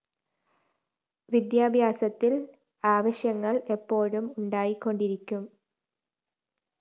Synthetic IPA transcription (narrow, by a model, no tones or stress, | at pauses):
ʋid̪jaːbʱjaːsɐt̪ːil | aːʋɐɕjɐŋːɐɭe̞pːo̞ːɻumuɳɖaːjikːo̞ɳɖiɾikʲːum